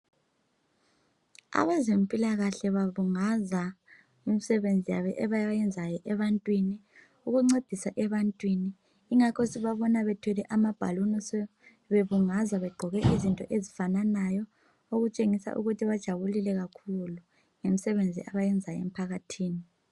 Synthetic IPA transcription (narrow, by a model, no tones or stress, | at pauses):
a̰βazempʼilaɣaɬɛβaβuŋaza | imisɛβend͡zʱijaβɛʔɛβajjɛnd͡zʱajɔʔɛβantʼwini | uɣuŋ͡ǀed̥ʱisaʔɛβantʼwiniː | ŋakʰɔsiβaβɔnaβɛtʰwɛlɛʔamab̥ʱa̰lunɔsɛ | βeβuŋazaβɛɡ͡ǃʱɔɣɛʔizintʼɔ̰ʔezifananajɔ | oɣut͡ʃʼeŋisa̰ʔṵɣutʰiβad̥ʒ̥ʱaβulilɛɣakʰulu | ŋemisɛβend͡zʱḭʔaβajɛnd͡zʱajɔḛm̩pʰaɣatʰiːni